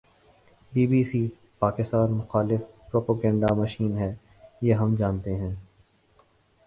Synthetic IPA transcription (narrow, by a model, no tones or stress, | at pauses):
biːbiːsiː | paːkɪst̪aːnmʊxaːlɪfpɾoːpaːɡɛ̃ːɳɖamɐʃiːnɦɛː | jeːɦɐmd͡ʒaːnt̪eɦɛ̃ː